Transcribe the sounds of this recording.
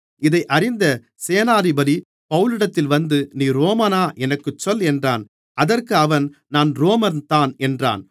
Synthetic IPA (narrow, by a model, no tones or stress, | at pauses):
ɪðɐɪʔɐɾɪnd̪ɐ | seːnaːɾɪbɐɽi | pɐʋɯlɯɽɐt̪ːɪlʋɐnd̪ɯniːɾoːmaːnaːʔɛnɐkːɯt͡ʃːɔlɛndraːn | ɐðɐrkɯɐʋɐnnaːnɾoːmɐnt̪aːnɛndra̰ːn